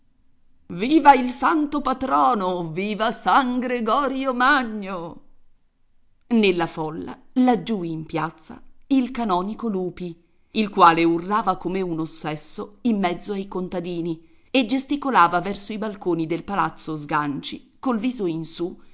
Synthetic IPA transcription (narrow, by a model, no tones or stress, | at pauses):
viːvailsant̪opat̪ɾɔːnoviːvasaŋɡɾeɡɔːɾjomaɲːo | nelːafɔlːa̰lad͡ʒːuimpjat̪sːa̰ilkanɔːnikoluːpi | ilkwaːleurːaːvakomeunosːɛsːoimːɛd̪zːoajkont̪ad̪iːni | ed͡ʒest̪ikolaːvavɛrsoibalkoːnid̪elpalat̪sːozɡant͡ʃḭkolviːzoinsu